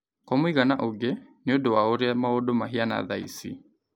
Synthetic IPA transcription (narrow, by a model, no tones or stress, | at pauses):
kɔmoiɣanaʔoɡeneodowaoɾeamaodomaɦiana̰ðaḭsḭ